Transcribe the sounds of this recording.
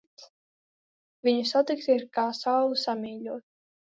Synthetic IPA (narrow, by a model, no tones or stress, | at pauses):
s | viɲusat̪ikt̪iɾkaːsawlˠusamiːʎʲuɔt̪̚